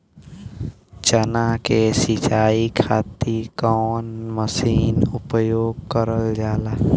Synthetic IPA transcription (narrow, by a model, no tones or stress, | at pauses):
t͡ʃənakesɪt͡ʃaːikʰaːt̪ikɔːnməsiːnʊpjoːɡ̚kəɾəld͡ʒaːlaː